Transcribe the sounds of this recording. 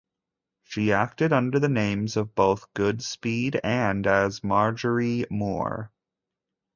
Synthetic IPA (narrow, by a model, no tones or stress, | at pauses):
ʃiæk̚tɨɾʌ̃ndə˞ðɨnẽɪ̃mzʌvboʊθɡ̥ʊdspiɾɨ̃nɨzmɑɹd͡ʒə˞imɔ̰ɹ